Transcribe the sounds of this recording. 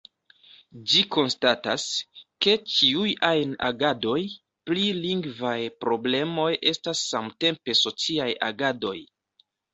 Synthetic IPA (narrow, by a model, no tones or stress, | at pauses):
d͡ʒiko̞nstataske̞t͡ʃiujajna̰ɡado̞j | pliliŋɡvajpɾo̞ble̞mo̞jʔe̞stasːamte̞mpe̞so̞t͡siaja̰ɡado̞j